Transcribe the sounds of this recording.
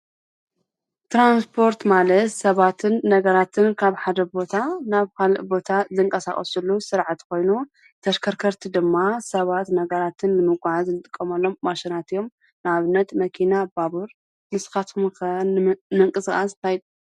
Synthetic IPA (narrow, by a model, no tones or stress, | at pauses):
t̪ɾanspʰo̞ɾt̪malɐt̪sɐβat̪ʰɨnːɐɡɐɾat̪ʰɨnkʰaβħad̪ɐbo̞t̪ʰanaβkʰalɨʔbo̞t̪ʰazɨŋkʼɐsaχʼɐ̰sulːusɨɾʕat̪ko̞jnu | t̪ʰɐʃkʰɐɾkʰɐɾt̪ʰid̪ɨmːasɐβat̪nɐɡɐɾat̪ʰɨnnɨmɨɡʷaʕazɨnɨt̪ʼɨkʼːɐmɐlːo̞mːaʃɪnat̪ɨjo̞m | nɨaβɨnːɐt̪mɐkʰinabaβuɾ | mɨskat̪kʰumkɐnmɨŋkʼɨsxʼast̪ʰajd̪